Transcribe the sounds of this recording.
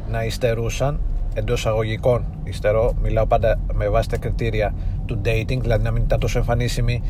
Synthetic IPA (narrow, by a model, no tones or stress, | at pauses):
nɐist̪e̞ɾusɐne̞nd̪o̞sɐɣo̞ʝiko̞n | ist̪e̞ɾo̞milɐo̞pɐnd̪ɐmevɐsi̥t̪ɐkɾit̪iɾiɐt̪ud̪e̞jt̪iŋɡðilɐðinɐminit̪ɐnt̪o̞soe̞ɱfɐnisimi